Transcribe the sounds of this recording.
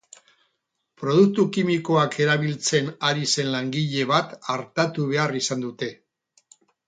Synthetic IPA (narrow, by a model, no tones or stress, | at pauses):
pɾo̞ð̞uk̚t̪ukimiko̞ake̞ɾaβ̞ilt͡se̞naɾise̞nlaŋɡiʎe̞βat̪aɾt̪at̪uβ̞e̞arisand̪ut̪e̞